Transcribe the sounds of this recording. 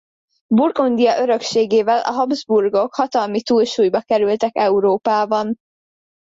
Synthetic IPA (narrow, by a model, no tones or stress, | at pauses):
burɡond̪ijɒʔøɾø̞kʃeːɡeːvɛlʔɒ̰ɦɒbzburɡo̞khɒt̪ɒlmit̪uːlʃuːjbɒkɛɾylt̪ɛkɛuɾoːpaːbɒn